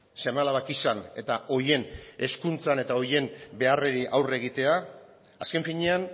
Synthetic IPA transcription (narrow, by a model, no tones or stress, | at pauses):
se̞malaβakisane̞t̪aʔo̞ɾje̞ne̞skunt͡sane̞t̪ao̞je̞mbe̞areɾiʔawre̞ɣ̞it̪e̞a | aske̞ɱfiɲe̞an